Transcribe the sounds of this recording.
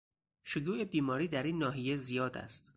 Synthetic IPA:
ʃojuːʔebiːmɒːɾiːd̪æɾiːnːɒːɦije̞zijɒːd̪æ̰st̪

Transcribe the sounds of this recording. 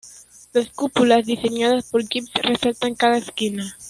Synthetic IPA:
laskupulazðise̞ɲaðaspoɾɡipsresalt̪aŋkaðaeskina

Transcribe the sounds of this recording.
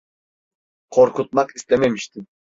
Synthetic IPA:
qʰoɾqut̪̚mɑqist̪ememiʃt̪ɪ

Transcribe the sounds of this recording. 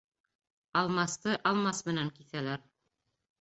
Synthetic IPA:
ɑlˠmɑst̪ɤʔɑlˠmɑsmɘ̆næŋkiθælæɾ

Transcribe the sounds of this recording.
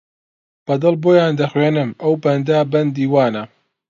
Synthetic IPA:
b̥ɐd̪ɨlboːjaːnd̪ɐxweːnɨmʔɐwbɐnd̪abɐnd̪iːwaːnɐ

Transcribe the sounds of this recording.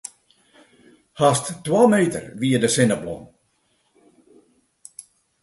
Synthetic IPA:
hast̪tːwaːmeːt̪ə̰ɾʋiːədəsɪnəblɔ̰n

